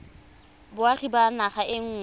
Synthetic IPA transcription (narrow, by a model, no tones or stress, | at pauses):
bʊaχibanaχaʔɪŋ̩ː